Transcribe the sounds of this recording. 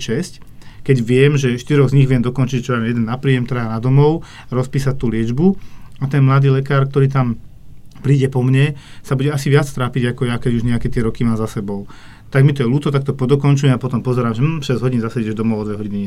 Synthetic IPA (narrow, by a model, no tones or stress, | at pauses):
t͡ʃɛsckɛɟʋɪɛmʒɛʃt̪iɾɔɣzɲiɣʋɪɛmd̪ɔkɔnt͡ʃiɟʒɛt͡ʃɔlajɛd̪ɛnːapɾiːɛmt̪ɾaanad̪ɔmɔʊ | aɾɔspiːsatt̪ːuːlɪɛd͡ʒbuat̪ɛnmlad̪iːlɛkaːɾk̚t̪ɔɾiːt̪am | pɾiːɟɛpɔmɲɛsabuɟɛasiʋɪat͡st̪ɾaːpiɟakɔjakɛɟuʒɲɛakɛt̪ɪɛɾɔkimaːmzasɛbɔʊ | t̪aɡmit̪ɔjɛluːt̪ɔt̪ak̚t̪ɔpɔd̪ɔkɔnt͡ʃujɛmapɔt̪ɔmpɔzɛɾaːmʒɛm̩ːʃɛzɦɔɟinzasɛɛʒd̪ɔmɔʊɔd̪ʋɛɦɔɟinɛ